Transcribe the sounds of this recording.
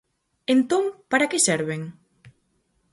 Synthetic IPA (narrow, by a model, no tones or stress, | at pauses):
ent̪oŋpaɾakesɛɾβeŋ